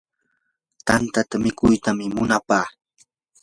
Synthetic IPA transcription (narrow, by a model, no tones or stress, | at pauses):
t̪ant̪at̪amɪkʊjt̪amɪmʊnapaː